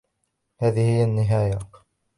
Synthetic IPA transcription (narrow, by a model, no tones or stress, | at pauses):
haːðihɪjːanːɪɦaːja